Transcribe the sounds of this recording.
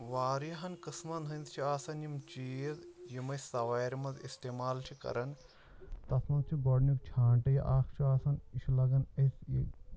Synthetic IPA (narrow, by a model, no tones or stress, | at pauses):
ʋaːɾjɐɦɐnkɨsmɐnɦɐnd̪ʰt͡ʃʰiaːsɐnjimt͡ʃiːzjimɐsɐʋaːjɾmɐzḭst̪eːmaːlt͡ʃʰikɐ̰ɾɐn | t̪ɐsmɐnd̪̚t͡ʃʰiɡoːɖnukt͡ʃʰaːɳʈɐjɐʔaːkʰt͡ʃʰiaːsɐniʃʰlɐɡɐnɐsi